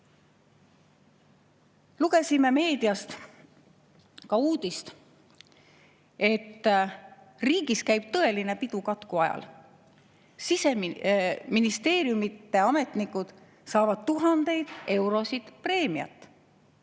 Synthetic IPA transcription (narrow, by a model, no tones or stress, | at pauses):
luɡ̥e̞sime̞me̞ːd̪̥iɑst̪ | kɑuːd̪̥ist̪ | e̞t̪ː | riːɡ̥iskæjb̥̚t̪ɤe̞line̞pid̪̥ukɑt̪kuɑjɑ̰l | sise̞ | minist̪e̞ːɾjumit̪ːe̞ɑme̞t̪nikːud̪̥ | sɑːvɑd̪̥̚t̪uɦɑnd̪̥e̞jd̪̥e̞wɾo̞sid̪̥pre̞ːmiɑ̰t̪ːˑ